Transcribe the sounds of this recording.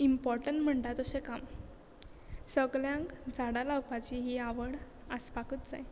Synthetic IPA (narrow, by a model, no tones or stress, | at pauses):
impɔɾʈəɳʈm̤əɳʈat̪əsekam | səɡljãŋkd͡zaɽalawpat͡ɕiɦiaʋəɽ | əspakət̪d͡za̰j